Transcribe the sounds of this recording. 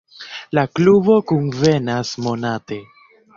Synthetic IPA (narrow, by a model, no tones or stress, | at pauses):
laklubo̞kunve̞nasmo̞nate̞